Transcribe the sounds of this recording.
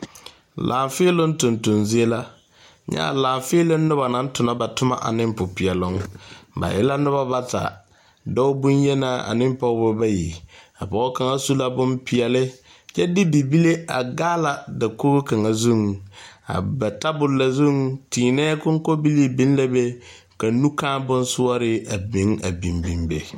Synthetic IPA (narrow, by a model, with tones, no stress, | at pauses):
lʔa̰ː˨ɱfɪ˦lʊ˦n̩˦tʊ˨ntʊ˨nzi˦e˦la˦ | ɲa̰˦a̰˨laː˨ɱ˨fɪ˦lɪ˦nːʊ˦ba˨na˦n˦tʊ˨na˨ba˨tʊ˦ma˦ʔa̰˨nɪ˦m˦pʊ˨pɪ˨ɛ˨lʊ˦ŋba̰˨jɛ˦la˦nʊ˦ba˦ba˦ta̰˨ | dɔ˦ʊ˦bu˦njɛ˦naː˦a̰˨nɪ˦m˦pɔ˦bʊ˦ba˦ji˨ | a̰˨pɔ˨˦ʊ˦ka˨ŋa˦su˦la˦bʊ˦mpɪ˨ɛ˨lɪ˦ | jɛ˦dɪ˦bi˨bi˦le˦a̰˨ɡaː˦la˨dɪ˨ko˦ɣʊ˦ka˨ŋa˨zu˦˨ŋ˨a̰˨ba˨ta˦bʊ˨lla˨zu˦ŋtiː˨nɛː˦kʊ˦ŋ˦kɔ˦bi˦li˦bi˦n˦la˦be˦ | ka˨˦nu˦kaː˦bʊ˦n˦sʊ˦ɔ˦ɾɪ˦a˨bĩ˨˦ŋa˨bĩ˨mbi˨mbḛ˨